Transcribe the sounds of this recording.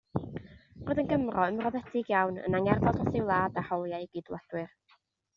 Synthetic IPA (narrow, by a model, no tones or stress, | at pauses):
roːðənɡəmrɔəmrɔðɛtʰɪɡjawnə̰naŋɛrvɔdɔθɪwlˠaːdahɔlˠjajɡiːdwad̥wɨr